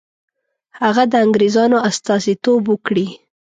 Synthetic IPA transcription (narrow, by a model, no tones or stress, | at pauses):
haɣad̪əaŋɡɾezɑnoast̪ɑsit̪obwəkɽi